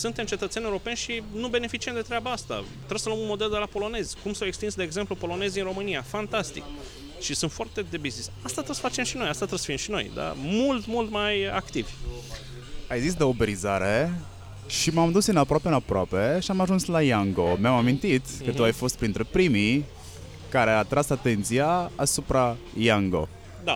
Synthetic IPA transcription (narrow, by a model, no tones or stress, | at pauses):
sunt̪emt͡ʃe̞t̪ət̪seneuɾo̞pe̞nʲʃinube̞ne̞fit͡ʃiemd̪e̞t̪ɾeabaast̪a̰ | t̪ɾesəlomunmo̞d̪eld̪e̞lapo̞lo̞ne̞zʲkumsawekst̪insd̪e̞ːɡze̞mplupo̞lo̞ne̞zʲɨnro̞mɨniafant̪ast̪ḭk | ʃisunt̪foart̪e̞d̪e̞biznisast̪at̪ɾəsfat͡ʃe̞mʃino̞jast̪at̪ɾəsfimʃino̞̰jd̪a̰mult̪mult̪maja̰kt̪ivʲ | ajzis̬d̪eobeɾizaɾe | ʃimamd̪usɨnapɾoape̞ɨnapɾoape̞ʃiamaʒunslajaŋɡo̞meamamint̪it̪kət̪uajfo̞st̪̚pɾint̪ɾepɾimi | kaɾeat̪ɾasat̪e̞nt̪sijaːsupɾa | jaŋɡo̞̰ | d̪a